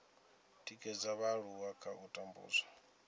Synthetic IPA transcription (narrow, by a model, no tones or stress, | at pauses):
tʼikʼɛd͡zaβaɺuwakʰaʔutʼambṵːzwa